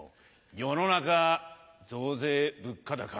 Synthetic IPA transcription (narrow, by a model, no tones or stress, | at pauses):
jono̞naka | zoːze̞ːbɯ̟kːad̪aka